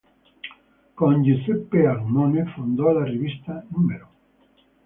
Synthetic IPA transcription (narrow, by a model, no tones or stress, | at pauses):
kõnd͡ʒusepealumonefund̪olareβist̪anũmeɾo